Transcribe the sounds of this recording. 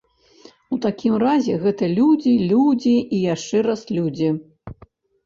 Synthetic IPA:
ut̪akʲʰimrazʲɛɣɛt̪ɐlʲud͡zʲilʲud͡zʲiʔːjaʂt͡ʂɛɾaslʲud͡zʲi

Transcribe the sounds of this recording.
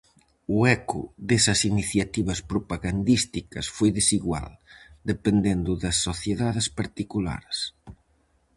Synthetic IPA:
ʊɛkʊ̰ðesɐsiniθjat̪iβɐspɾopaɣand̪ist̪ikɐsfojðesiɣwa̰ld̪epend̪end̪ʊðɐsːoθjeðaðespaɾt̪ikula̰ɾs

